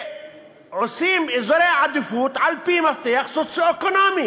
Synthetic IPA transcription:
ʕʊsiːmɪzɾeʕad̪ɪfuːt̪ʕalpiːmaft̪ejaxsot̪siokonaːmi

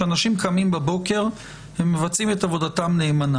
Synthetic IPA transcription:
anaʃimkamimbabo̞ke̞ʁ | hemːevat͡simet̪avo̞d̪atamne̞ːmana

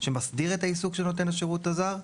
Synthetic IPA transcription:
ʃemasdiʁetaisukʃeno̞t̬e̞naʃeʁutazaʁ

